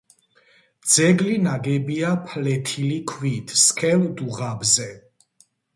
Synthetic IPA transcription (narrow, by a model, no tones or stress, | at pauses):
d̪z̥ɛɡlinaɡɛbiapʰlɛt̪ʰilikʰwit̪ʰskʰɛld̪uʁabzɛ